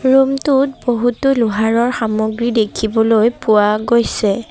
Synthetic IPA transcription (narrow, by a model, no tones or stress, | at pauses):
ɹumtut̚boɦutoluɦaɹɔɹxamoɡɹidekʰibɔlojpʊwaɡojsɛ